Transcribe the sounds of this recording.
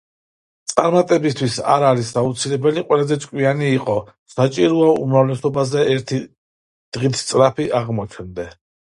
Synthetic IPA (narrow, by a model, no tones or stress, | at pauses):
t̪sʼaɾmat̪ʼɛbist̪ʰwisa̰ɾaɾisaut̪sʰilɛbɛliqʼwɛlazɛt̪sʼkʼwianiːqʼɔ | sat͡ʃʼiɾɔaumɾavlɛsɔbazɛɛɾt̪ʰi | d̪̥ʁit̪ʰt̪sʼɾapʰiʔaʁmɔt͡ʃʰnd̪ɛ